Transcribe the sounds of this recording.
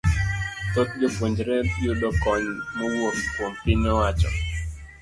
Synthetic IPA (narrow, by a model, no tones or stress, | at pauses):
t̪ot̪̚d͡ʒopwoɲd͡ʒɾɛpijodɔkɔɲmɔwokpompɪnɔwat͡ʃɔ̰